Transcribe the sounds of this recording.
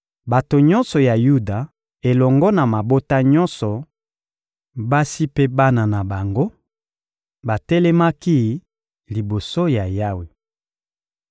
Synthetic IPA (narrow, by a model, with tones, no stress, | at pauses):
ba˨to˨ɲɔ˦nsɔ˨ja˨ju˦da˨ | e˨lɔ˨ŋɡɔ˦na˨ma˨bo˦ta˦ɲɔ˦nsɔ˨ | ba˦si˦pe˦ba˦na˨na˨ba˨ŋɡo˦ | ba˨tɛ˦lɛ˦ma˦ki˦ | li˨bo˨so˦ja˨ja˦we˨